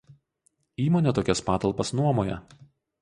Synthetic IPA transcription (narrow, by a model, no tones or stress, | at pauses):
iːmoːnʲɛt̪oːkʲɛspɑːt̪ɐlˠpɐsnuɔmoːjɛ